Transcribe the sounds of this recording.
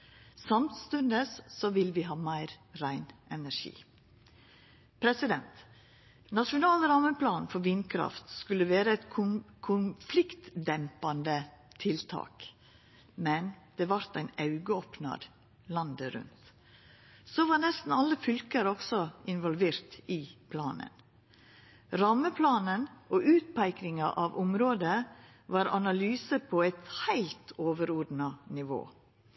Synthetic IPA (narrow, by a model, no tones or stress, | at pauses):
sɑmt̪st̪ʉnd̪əsːɔʋɪlʋɪɦɑːmæɪɾɾæɪnʔɛnæɾʂḭː | pʰɾɛsɪd̪ɛnt̪ | nɑʂʊnɑːlɾɑmənpʰlɑːnfɔɾʋiːnkʰɾɑ̰ft̪skʉlːəʋeːɾəɛt̪kʰʊkʰʊnflɪkt̪d̪ɛmpɑnd̪ət̪ʰɪlt̪ʰɑ̰ːk | mɛnd̪̥ɛːʋɑɾt̪æɪnɑʉɡəoːpnɑ̰ɾ | lɑnd̪əɾʉ̰nt̪ | soʋɑːnɛst̪n̩ɑlːəfʏlkəɾɔɡsɔɪnʋɔlʋeːɾt̪ɪpʰlɑːnə̰n | ɾɑməpʰlɑːnənʔoːʔʉːt̪̚pæɪkɾɪŋɑʔɑʋʊmɾoːd̪ə | ʋɑːɾɑnɑlyːsəpʰoːæɪt̪hæɪlt̪ʰoːʋəɾud̪nɑnɪʋo̰ː